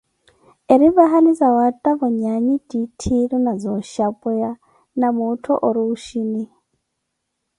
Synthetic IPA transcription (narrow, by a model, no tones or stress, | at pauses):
eɾiβaɦalid͡zawatʼaβɔɲaɲidʼitʰiɺunad͡zɔʃapʼɔja | namutʰɔ̰ʔoɾiuʃini